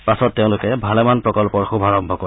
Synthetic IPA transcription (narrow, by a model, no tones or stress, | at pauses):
pasɔtːeʊ̃lʊkɛbʱalɛmanpɹɔkɔlpɔɹxubʱaɹɔmbʱɔkɔ